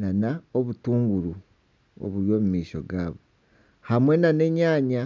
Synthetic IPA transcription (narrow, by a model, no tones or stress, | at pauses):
nanaoβutuːŋɡuɾu | o̰βuɾjo̞ːmumiːʃo̞̰ɡa̰ːβo | hamwe̞nane̞ɲaːɲa